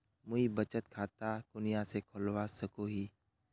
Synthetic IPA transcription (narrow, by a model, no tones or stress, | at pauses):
mʊibət͡ʃət̪̚kʰaːt̪akʊnɪjãsekʰʊlwasəkoɦiː